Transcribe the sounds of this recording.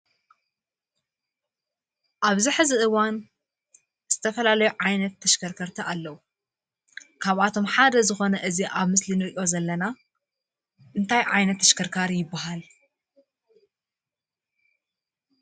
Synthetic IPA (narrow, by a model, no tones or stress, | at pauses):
ʔaβziħɨzɨʔɨwan | z̥ɨt̪ʰɐfɐlalɐjuʕajnɐt̪ʰːɐʃkʰɐɾkʰɐɾt̪ʰiʔalːɐwu | kʰaβʔat̪ʰo̞mħad̪ɐzɨxo̞nɐʔɨziʔaβmɨslinɨɾʔio̞zɐlːɐna | ʔɨnt̪ʰajʕajnɐt̪ʰːɐʃkʰɐɾkʰaɾijɪbːaɦal